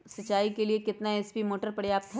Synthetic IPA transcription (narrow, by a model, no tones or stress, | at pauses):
sɐt͡ʃːaːikeliekɪt̪naɛːspimoːʈəɾpɐɽjaːp̚t̪ʰ